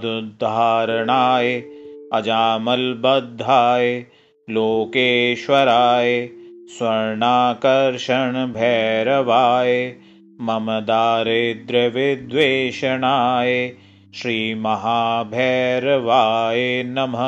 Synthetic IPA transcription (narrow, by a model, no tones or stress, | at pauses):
d̪ud̪ʱːaːɾɐɳaːjeɐd͡ʒaːmɐlbɐd̪ʱːaːje | loːkeːʃʋɐɾaːjeswɐɾɳaːkɐɾʃɐɳbʱɛːɾɐʋaːje | mɐmɐd̪aːɾeːd̪ɾɐʋɪd̪ʋeːʃɐɳaːje | ʃɾiːmɐɦaːbʱɛːɾɐʋaːjenɐmɐ